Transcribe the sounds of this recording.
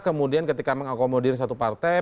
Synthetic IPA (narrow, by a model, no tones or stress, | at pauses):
kəmudiankət̪ikaməŋakomodɪrs̬at̪upart̪a